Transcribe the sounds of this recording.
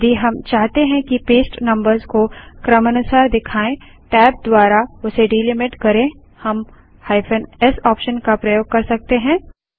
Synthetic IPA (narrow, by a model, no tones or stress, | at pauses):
d̪ʱiɦɐmt͡ʃaːɦt̪eɦɛ̃kipeːsʈnɐ̃mbəɾzkokɾəmɐnʊsaːɾd̪ɪkʰaːẽ | ʈɛːp̚d̪waːɾaʊseɖiːlɪmɪʈkɐɾẽ | hɐm | haːɪfʰənɛsɔːpʃənkapɾɐjoːɡ̚kɐɾsɐk̚t̪eɦɛ̃ː